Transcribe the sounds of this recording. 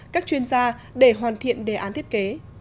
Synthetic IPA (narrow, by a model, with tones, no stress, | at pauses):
kaː˦˥k̚t͡ɕwi˧ənzaː˧ | ɗe˧˩ɦwaː˨˩nt̪ʰḭ˧˨ənɗe˧˩ʔaː˨˦nt̪ʰi˦˥ət̚ke˨˦